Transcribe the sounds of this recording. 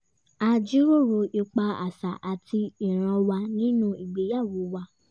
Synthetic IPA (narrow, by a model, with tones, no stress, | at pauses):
a˦d͡ʒi˦ɾo˦˨ɾo˧ʔi˧k͡pa˧a̰˨sa˨ʔa˨ti˧i˨ɾ̃ã˧wa˧nĩ˦nũ˦i˨ɡ͡be˨˦ja˦˨wo˨˦wa˧˦